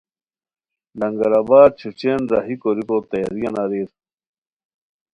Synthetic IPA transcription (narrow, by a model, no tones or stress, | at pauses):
lɐŋɡɐɾaːbaːd̪̚t͡ɕʰut͡ɕenzaːɦikoɾikoːt̪ɐja̰ɾijɐnaːɾiːɾ